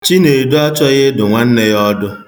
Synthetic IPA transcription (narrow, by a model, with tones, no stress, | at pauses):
t͡ʃi˦ne˨ɾdo˦a˦t͡ʃɔ˦ɣɪ˦dʊ˨ŋʷa˦n̩˦ne˦jɔ˦dʊ˦